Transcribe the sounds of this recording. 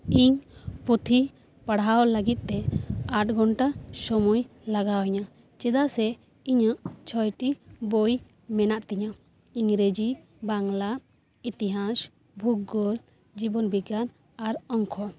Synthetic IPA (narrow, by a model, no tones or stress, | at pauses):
iɲput̪ʰi | paɽawləɡit̪̚ˀt̪ɛaʈ̚ɡɔnʈasɔmujlaɡawɲa | t͡ʃɛd̪asɛ | iɲaʔt͡ʃʰɔjʈiboj | mɛnaʔt̪ɛɲa | iɲɾed͡ʒi | baŋla | it̪iɦas | bʱuk̚ɔl | d͡ʒibɔnbiɡan | aɾɔŋkʰɔ